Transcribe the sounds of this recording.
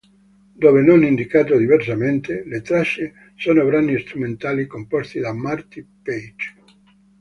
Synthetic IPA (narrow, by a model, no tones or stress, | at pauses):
d̪oːvenonind̪ikaːt̪od̪ivers̬ament̪elet̪ɾaʃe | soːnobɾanist̪ɾument̪aːlikompɔst̪id̪amart̪ipejd͡ʒ